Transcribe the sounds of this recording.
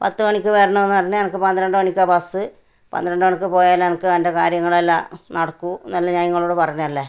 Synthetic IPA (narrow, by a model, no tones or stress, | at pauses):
pɐt̪ːɨmɐɳikʲːɨʋeːrɐɳɐenːɨpɐrɐɲːuɲɐnɐkːɨpɐnd̪ɐɾɐɳɖɨmɐɳikʲːɐːpɐsɨ | pɐ̰nd̪ɐɾɐɳɖɨmɐɳikʲːɨpo̞ːjaːlːɐnɐkːɨɐndekaːɾjɐŋːɐɭelːɐ̰nɐɽɐkːunɐlːɐɲaːniŋːɐɭoːɽepɐrɐɲːuɐlːe